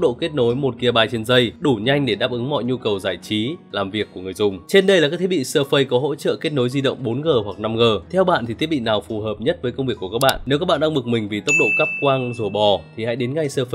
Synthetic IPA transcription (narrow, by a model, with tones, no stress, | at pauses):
k͡pɗo̰˧˨ke˦˥t̚no˨˦jmo˨˩t̚ki˧ə˧ɓaː˧jt͡ɕe˧nzə˧jɗu˧˩ɲa˧jŋ̟ɗe˧˩ɗaː˦˥p̚ʔɨ˨˦ŋmɔ̰˧˨jɲu˧kə˨˩wzaː˧˩jt͡ɕi˨˦laː˨˩mvi˨˩əkːu˧˩əŋɨ˨˩əjzʊ˨˩ŋ͡mt͡ɕe˧nɗə˧jla˨˩kaː˦˥kt̪ʰe˦ɓḭ˧˨səː˧fə˧jkɔ˨˦ɦo̰˧˥t͡ɕə̰ː˧˨ke˦˥t̚no˨˦jzi˧ɗə̰˧˨wŋ͡mɓo˨˦nɣəː˨˩hwa˨˩k̚na˧mɣəː˨˩t̪ʰɛ˧wɓa̰ː˧˨t̪i˨t̪ʰi˦˥əɓḭ˧˨naː˨˩wfu˨˩ɦəː˨˩p̚ɲə˦˥t̚və˨˦jkə˧wŋ͡mvi˨˩əkːu˧˩kːa˦˥k̚ɓa̰ː˧˨nne˨˦wa˦˥k̚ɓaː˧˨ɗa˧ŋɓɨ˨˩k̚mï˨˩ŋ̟vi˨˩t̪ə˦˥k͡p̚ɗo̰˧˨kaː˦˥p̚kwaː˧ŋzo˨˧˩ɓɔ˨˩t̪ʰi˨˩ha̰ː˧˥jɗe˨˦nŋa˧˩jsəː˧fə˧